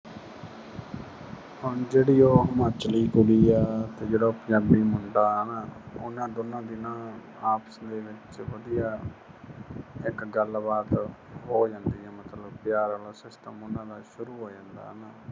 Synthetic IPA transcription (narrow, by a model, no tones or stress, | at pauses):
hʊɳd͡ʒeːɽiːoːɦəmaːt͡ʃliːkʊliːɛːt̪eːd͡ʒeːɽaːʊpəɲaːbiːmʊɳɖaːnaːʊnːãːd̪ʊnãːd̪ɪnãː | aːpsd̪eːʋɪt͡ʃʋəd̪ijaː | ɪkɡəlbaːt̪ɦoːd͡ʒãːnd̪iːɛːmət̪ləbpɪjaːɾaːlasɪst̪əmʊnãːd̪aːʃʊɾuːɦoːd͡ʒãːnd̪a̰ːɦnaː